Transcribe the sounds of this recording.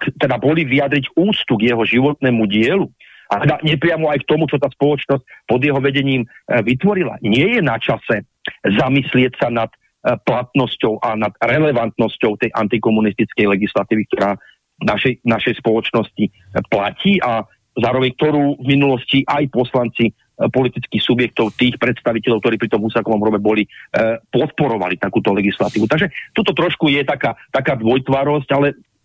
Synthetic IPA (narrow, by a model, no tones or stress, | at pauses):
kt̪ɛd̪abɔliʋijad̪ɾiɟuːt͡st̪uɡjɛɦɔʒiʋɔt̪nɛːmuɟɪɛlu | ʔat̪ɛd̪aɲɛpɾɪamɔajkt̪ɔmut͡ʃɔt̪aːspɔlɔt͡ʃnɔsc̚pɔd̪jɛɦɔʋɛɟɛɲiːmʋit̪ʋɔɾila̰ɲɪɛjɛnat͡ʃasɛ | zamislɪɛcsanat̪ | plat̪nɔscɔʊʔanad̪ɾɛlɛʋant̪nɔscɔʊt̪ɛjʔa̰nt̪ikɔmunist̪it͡skɛjlɛɡislat̪iːʋik̚t̪ɔɾaː | naʃɛjnaʃɛjspɔlɔt͡ʃnɔsci | placiːʔa | zaːɾɔʋɛɲk̚t̪ɔɾuːvminulɔsciʔajpɔslant͡si | pɔlit̪it͡skixsubjɛk̚t̪ɔʊt̪iːxpɾɛt̪st̪aʋicɛʎɔʊkt̪ɔɾiːpɾit̪ɔmɦusakɔʋɔmɾɔbɛbɔlipɔt̪̚pɔɾɔʋa̰lit̪akuːt̪ɔlɛɡislat̪iːʋut̪aɡʒɛt̪uːt̪ɔt̪ɾɔʃkujɛt̪akaːt̪akaːd̪ʋɔjt̪ʋaɾɔs̬calɛ